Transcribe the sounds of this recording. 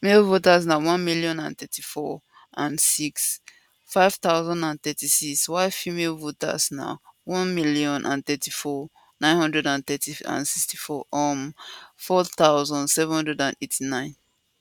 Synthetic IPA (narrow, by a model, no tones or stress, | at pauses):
melvotasnawɔ̃nmiliɔ̃nã̰nθɛtʰifɔ | ʔãnsiks | faɪv̥t̪aʊzɔ̃nãnθɛtisiswaɪfimelvota̰sna̰wɔ̃nmiliɔ̃nʔã̰nθɛtifɔ | nãɪ̃nhɔ̃ndɹɛdãnθɛtiã̰nsikstifɔʔɔmfɔt̪aʊzɔ̃ndsɛvɛ̃nhɔ̃ndɹɛdãnetʰinãɪ̃n